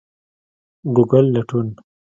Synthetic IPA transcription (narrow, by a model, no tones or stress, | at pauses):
ɡuɡəlːaʈun